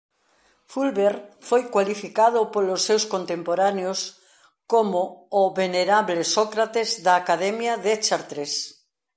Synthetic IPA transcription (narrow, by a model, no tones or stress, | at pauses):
fulβeɾfojkwalifikaðopolosːewskont̪empoɾaneos | komoːβeneɾaβlesɔkɾat̪ezðaːkaðɛmjaðet͡ʃaɾt̪ɾes